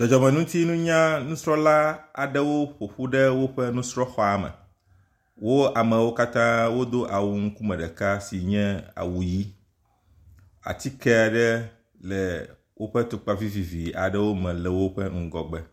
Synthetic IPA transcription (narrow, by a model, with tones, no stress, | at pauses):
d͡ʒɔ˨d͡ʒɔ˨mɛ̃˨nũ˦t̪i˦nũ˦ɲã˦nũ˦sɾɔ˦la˦a̰˨ɖɛ˦wo˦ɸo˨ɸu˦ɖɛ˦wo˦ɸɛ˦nũ˦sɾɔ˦xɔ˦a˨mɛ̰̃˨ | wo˦a˨mɛ̃˨wo˦ka˦t̪ã˦wo˦d̪o˦ʔa˨wu˦ŋ̩˦ku˦mɛ̃˨ɖɛ˨ka˦si˨ɲɛ̃˦a̰˨wu˨ji˦ | a̰˨t̪i˦kɛ˦a˨ɖɛ˦ | lɛ˨ | wʔo˦ɸɛ˦t̪o˨k͡pa˦vi˦vi˨vi˨a̰˨ɖɛ˦wo˦mɛ̃˨lɛ˨wo˦ɸɛ˦ŋ̩˦ɡɔ˨ɡ͡bɛ˦